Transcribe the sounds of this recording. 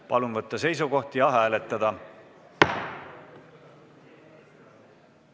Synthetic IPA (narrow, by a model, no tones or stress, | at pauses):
pɑlunvɤt̪ˑːɑse̞js̬uɡo̞ht̪ijɑɑɦæːle̞t̪ːˑɑd̪̥ɑ